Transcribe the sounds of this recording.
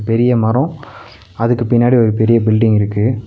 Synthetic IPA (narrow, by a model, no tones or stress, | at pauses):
pɛɾɪjɐmɐɾɔ̃ | ɐðɯkːɯpɪnːaːɽiɔɾɯpɛɾɪjɐbɪlɖɪŋɪɾɯkːɯ